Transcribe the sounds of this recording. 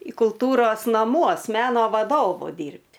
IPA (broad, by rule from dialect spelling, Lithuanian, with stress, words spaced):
iː kʊlˠˈtuːroːs nɐmˈuɔs ˈmʲæːnoː ʋɐˈdoːʋʊ ˈdʲiːrʲpʲtʲ